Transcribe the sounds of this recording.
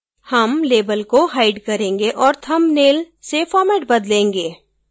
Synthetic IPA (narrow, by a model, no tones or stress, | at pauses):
hɐmleːbəlkoɦaːɪɖkɐɾẽːŋɡeʔɔːɾt̪ʰɐmneːl | sefɔːɾmɛːʈ̚bɐd̪lẽːŋɡeː